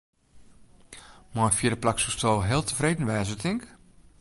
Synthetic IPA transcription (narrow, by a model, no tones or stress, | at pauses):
mɔjfjɪədəplaksustʰolˠɦɪəlˠtʰəfreːdn̩ʋɛːsətʰɪŋk